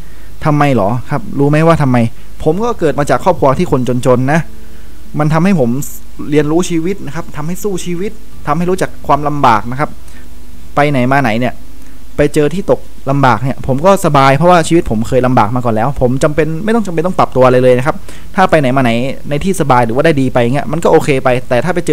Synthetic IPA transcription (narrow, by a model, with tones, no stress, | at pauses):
t̪ʰa˧mːa˧jlɔː˩˦kʰa˦˥p̚ɾuː˦˥ma˦˥jwaː˥˩t̪ʰa˧mːa˧j | pʰo˩˦mkɔː˥˩kɤː˨˩t̪̚maː˧t͡ɕaː˨˩kʰːɔː˥˩p̚kʰu˧ɐt̪ʰiː˥˩kʰo˧nt͡ɕo˧nt͡ɕo˧nːa˦˥ | ma˧nt̪ʰa˧mha˥˩jpʰo˩˦m | ɾi˧ənɾuː˦˥t͡ɕʰiː˧wi˦˥t̪̚na˦˥kʰa˦˥p̚t̪ʰa˧mha˥˩jsuː˥˩t͡ɕʰiː˧wi˦˥t̪̚ʰːa˧mhjɾuː˦˥t͡ɕa˨˩kʰwaː˧mla˧mbaː˨˩k̚na˦˥kʰa˦˥p̚ | pa˧jna˩˦jmaː˧na˩˦jni˥˩ɐ | pa˧jt͡ɕɤː˧t̪ʰiː˥˩t̪o˨˩k̚ | la˧mbaː˨˩k̚ni˥˩ɐpʰo˩˦mkɔː˥˩sa˧baː˧jpʰɾɔ˥waː˥˩t͡ɕʰiː˧wi˦˥t̪̚pʰo˩˦mkʰɤː˧jla˧mbaː˨˩k̚maː˧kɔː˨˩nlɛː˦˥wpʰo˩˦mt͡ɕa˧mpe˧nma˥˩jt̪ɔ˥˩t͡ɕa˨˧mpe˧nɔ˥ŋpla˨˩p̚t̪u˧ɐʔa˧ɾa˧jlɤː˧jna˦˥kʰa˦˥p̚ | t̪ʰaː˥˩pa˧jna˩˦jmaː˧na˩˦j | na˧jt̪ʰiː˥˩sa˧baː˧jɾɯː˩˦wːda˥˩diː˧pa˧ja˨˩ŋi˦˥ɐʔma˧nkɔː˥˩ʔoː˧kʰeː˧pa˧jt̪ɛː˨˩t̪ʰaː˥˩a˧jt͡ɕɤː˧